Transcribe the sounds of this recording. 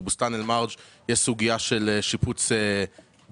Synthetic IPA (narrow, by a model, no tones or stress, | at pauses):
bustanelmaʁd͡ʒjeʃsuɡijaʃelʃiput͡se